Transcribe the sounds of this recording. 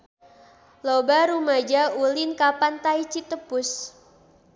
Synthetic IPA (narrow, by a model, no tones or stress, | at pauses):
lobaɾumad͡ʒaulinkapant̪ait͡ʃit̪əpʊs